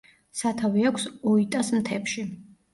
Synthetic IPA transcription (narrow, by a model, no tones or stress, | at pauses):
sat̪ʰaviakʷʰsɔit̪ʼasmt̪ʰɛpʃi